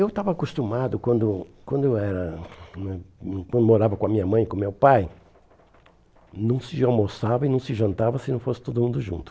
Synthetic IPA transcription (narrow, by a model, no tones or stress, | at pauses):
ewt̪avɐaːkust̪umad̪ʊkwɐ̃nd̪ʊkwɐ̃nd̪ʊewɛɾɐnɛkwɐ̃nd̪ʊmoɾavɐkõɐmĩɲɐmɐ̃j̃kõmewpaj | nɐ̃w̃sɪawmosavɐɪnɐ̃w̃sɪʒɐ̃nt̪avɐsɪnɐ̃w̃fosɪ̥t̪od̪ʊmũnd̪ʊʒṵ̃nt̪ʊ̥